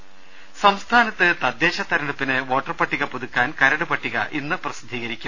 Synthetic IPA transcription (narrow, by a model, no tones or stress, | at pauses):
sɐmst̪ʰaːnɐt̪ːɨt̪ɐd̪jeːɕɐt̪ɐɾɐɳupːinɨʋo̞ːʈːɐrpɐʈːiɣɐpuðukːaːnkɐɾɐɽupɐʈːiɣɐ̰ʔinːɨprɐsid̪ʱːiːɣɐɾikʲːum